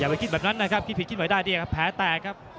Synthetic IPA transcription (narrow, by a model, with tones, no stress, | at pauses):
jaː˨˩pa˧jki˦˥t̪̚ɛː˨˩pna˦˥nːa˦˥kʰa˦˥p̚ʰi˦˥pʰi˨˩t̚ʰi˥t̪̚ma˨˦daː˥˩jdi˧˩˨kʰa˦˥pʰːɛː˩˦t̪ɛː˨˩kʰa˦˥p̚